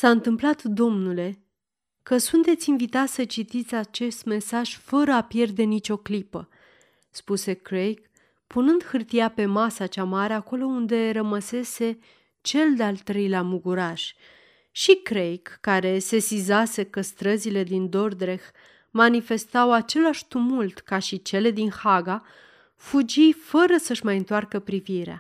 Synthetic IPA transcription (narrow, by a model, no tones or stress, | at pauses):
saɨnt̪ɨmplat̪d̪o̞mnule̞ | kəsunt̪e̞t̪sʲinvit̪at̪ʲsət͡ʃit̪it̪sʲat͡ʃe̞st̪me̞saʒ̥fəɾəapje̞rd̪e̞nit͡ʃo̞klipə | spuse̞kɾejk | punɨnd̪hɨrt̪ijape̞masat͡ʃamaɾe̞ako̞lo̞und̪e̞ɾəməse̞se̞ | t͡ʃe̞ld̪ealt̪ːɾe̞jleamuɡuɾaʃ | ʃikɾejkːaɾe̞se̞sizase̞kəst̪ɾəzile̞d̪ind̪o̞rd̪ɾe̞x | manife̞st̪awat͡ʃe̞laʃt̪umult̪kaʃit͡ʃe̞le̞d̪inhaɡa | fud͡ʒijfəɾəsəʃmajɨnt̪oarkəpɾiviɾea̰